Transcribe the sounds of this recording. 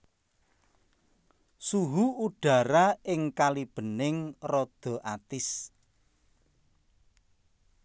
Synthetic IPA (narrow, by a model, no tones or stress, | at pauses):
suɦuuɖ̥a̤ɾaɪŋkalib̥ə̤nɪŋrɔd̪̥ɔ̤ʔat̪ɪs